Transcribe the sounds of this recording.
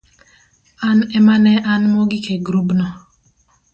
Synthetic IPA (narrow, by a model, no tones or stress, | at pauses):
anɛmanɛʔanmɔɡikʰeɡɾubnɔ